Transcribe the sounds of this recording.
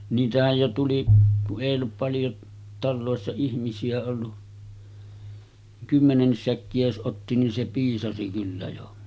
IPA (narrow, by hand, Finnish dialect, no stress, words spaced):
niːtæhæj jo tuli kuʔ ʔeˑij olːup pɑljo tɑlːoˑesːɑ ihmisiæ olːu kymːenenːis sækːiæ jos ʔotːi nin se piːsɑsi kylːæ jo